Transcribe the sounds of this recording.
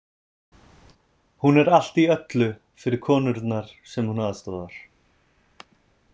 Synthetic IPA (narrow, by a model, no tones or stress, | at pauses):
hunɛɾal̥t̪iœt̪lʏ | fɪɾɪɾ̥kʰɔːnʏɾt̪naɾ̥sɛmhunaːðst̪ɔːðaɾ̥